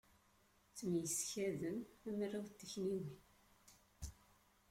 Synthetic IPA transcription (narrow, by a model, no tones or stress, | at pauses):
t͡sːəmjəsçæðənæmrːiwt̪ːəçniwin